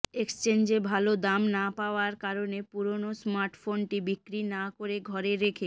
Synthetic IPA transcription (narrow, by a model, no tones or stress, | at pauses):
ekst͡ɕend͡ʑebʱalod̪amnapaoaɾkaɾonepuɾonosmaɾʈfonʈibikɾinakoɾeɡʱɔɾeɾekʰe